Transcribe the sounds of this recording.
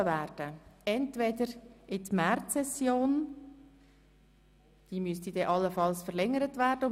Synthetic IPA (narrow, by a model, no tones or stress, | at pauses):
əvæːɾd̥əɛntvɛdəɾʔɪtmɛɾtsɛsjoːn | d̥iːmystid̥ɛʔɑlːəfɑlsfəʁlɛŋəɾətvæːɾd̥əʊ